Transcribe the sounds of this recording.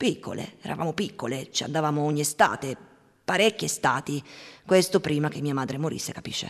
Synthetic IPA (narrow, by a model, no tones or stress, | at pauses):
pikʰːo̰lḛɛːɾa̰va̰ːmopikːolet͡ʃia̰nd̪avaːmooɲːiest̪a̰ːt̪e | paɾɛkːest̪aːt̪ikwest̪opɾiːmak̟emːiːamaːd̪ɾemoɾḭsːekapḭʃːḛ